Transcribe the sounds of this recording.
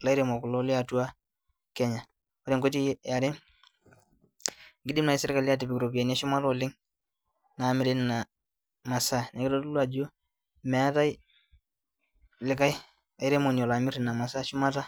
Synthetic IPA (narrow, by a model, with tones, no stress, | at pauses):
la˨˦jɾe˨mo˨kʊ˨lo˦lɪ˦a˨tu˦a˦ | kɛ˦ɲa˨ | o˦ɾe˨ŋɡo˦ti˦a˨ɾɪ˦ | ŋɡɪ˦dɪ˦mna˨i˦sɪ˦ɾka˨lɪ˦a˦t̬i˨bɪ˨kɾo˨ba˨na˦ʃʊ˦ma˦to˨lɪ˦ŋ | na˨mɪ˨ɾe˦n˨na˨ | ma˨sa˦ne˨kɪ˦lo˦tu˦lwa˨d͡ʒo˦ | mɛ˨a˦ta˦j | lɪ˨ka˦j | a˨jɾe˦mo˨njo˨la˨mɪ˦ɾɪ˨na˨ma˨sa˦ʃʊ˦ma˦ta˦